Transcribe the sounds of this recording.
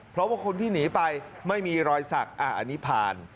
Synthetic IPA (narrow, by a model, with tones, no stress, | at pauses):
pʰɾɔ˦˥baː˨˧˩kʰo˧nt̪ʰiː˥˩niː˩˦pa˧jma˥˩jmiː˧ɾɔː˧jsa˨˩k̚ʔa̰ː˨˩ʔa˧ni˦˥pʰaː˧n